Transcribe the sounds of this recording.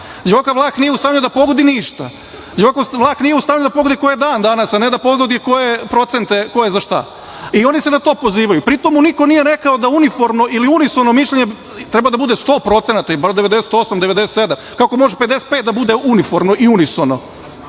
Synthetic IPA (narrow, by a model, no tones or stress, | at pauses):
d͡ʑeojkaʋlˠaːknijeust̪aːvɲʎud̪apo̞ɡo̞d̪iniʃt̪a̰ | d͡ʑeojkaʋlˠaːxnije̞ust̪aːʋɲʎud̪apo̞ɡod̪ikojed̪aːnd̪anasaned̪apo̞ɡod̪iko̞jepɾo̞t̪sent̪e̞ko̞jezaʃt̪a̰ | io̞nisenat̪o̞ːpo̞ziːʋajupɾit̪omːuniko̞nije̞ɾe̞kaod̪aunifo̞ɾmnoʔiliunisonomiʃʎʲeɲe | t̪ɾebad̪abud̪est̪o̞ːpɾo̞t̪senat̪aibaɾod̪e̞ʋe̞d̪ese̥t̪o̞samd̪eʋed̪eset̪se̞d̪amkako̞mo̞ʒepet̪d̪ese̥t̪̚peːt̪̚d̪abud̪e̞unifo̞ɾmnoʔiunisono